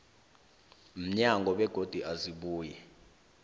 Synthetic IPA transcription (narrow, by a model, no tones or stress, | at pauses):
m̩ɲaŋɡʱɔɓɛɡ̥ʱod̥ʱiʔaziɓuːjɛ